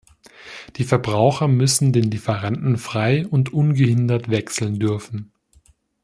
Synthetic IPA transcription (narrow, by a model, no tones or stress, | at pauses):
d̥iːfɛɐbʁaʊxɐmʏsn̩deːnlifɛʁantn̩fʁ̥aɪʊntʔʊnɡəhɪndɐtv̥ɛksl̩ndʏɐfn̩